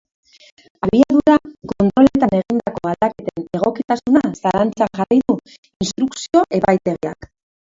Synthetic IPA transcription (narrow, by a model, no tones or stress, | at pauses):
aβiaðuɾako̞nt̪ɾo̞le̞t̪ane̞ɣind̪ako̞ald̪ake̞t̪e̞ne̞ɣ̞o̞kit̪asunasalant͡saŋʝariðu | inst̪ɾuksio̞ʔe̞pajt̪e̞ɣia̰k